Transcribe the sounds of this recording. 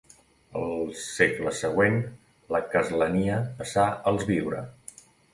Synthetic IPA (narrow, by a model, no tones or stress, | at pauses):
əlˠsekləsəɣwen | ləkəzləniəpəsaəlˠzβiwɾə̰